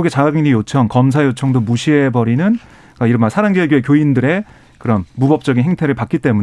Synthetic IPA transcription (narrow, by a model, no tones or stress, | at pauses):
uɡet͡ɕaɡaɡeŋɲijot͡ɕʰʌŋkʌms̬ʰajot͡ɕʰʌŋdomuɕʰiebʌɾinɯn | k͈aiɾʌmasʰaɾaŋɡiʌɭɡjoekjoindɯɾe̞ | kɯɾʌmːubʌp̚t͡ɕ͈ʌɡinɦe̞ŋtʰe̞ɾɯɭpak͈it͈e̞mu